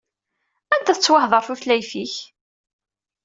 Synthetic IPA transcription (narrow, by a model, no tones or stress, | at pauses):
ænd̪æθət͡sːwɑhðˤəɾˤθuθlæjfiç